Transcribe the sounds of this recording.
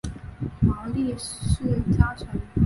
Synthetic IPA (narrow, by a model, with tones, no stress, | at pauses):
mɑ˧˥ʊli˥˧ʂɻ̩˥˩t͡ɕja˥t͡sʰə˧˥n